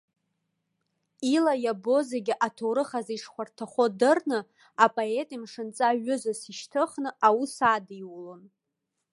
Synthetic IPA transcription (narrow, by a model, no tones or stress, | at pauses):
ilajabo̞zeɡʲɪʔatʰowɾɨχaziʂχʷartʰaχʷodɨrnɨ | apʼoetʼimʂɨnt͡sʼaɥʏzasiʃtʰɨχnɨʔawusadiwlon